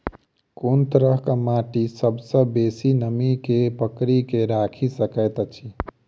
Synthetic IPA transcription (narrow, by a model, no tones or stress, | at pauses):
kont̪əɾəɦkəmaʈisəbsəbeːsinəmikepəkɾikeɾakʰisəkəjt̪t͡ʃʰi